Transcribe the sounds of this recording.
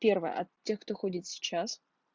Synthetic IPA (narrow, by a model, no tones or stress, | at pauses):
pʲervɨ̰jə̰ʔɐt̪tʲːe̞xkt̪oxodʲɪt̪sʲɪ̥t͡ɕas